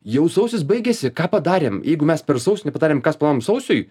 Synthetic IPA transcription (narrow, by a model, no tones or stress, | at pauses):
jɛʊsɐʊsʲɪs̬bɐɪɡʲɛsʲɪkɑːpɐd̪ɑːɾʲeːmjɛɪɡʊmʲɛspʲɛɾsɐʊsʲʊnʲɛpɐd̪ɑːɾʲeːmkɐsplˠɑomsɐʊsʲʊj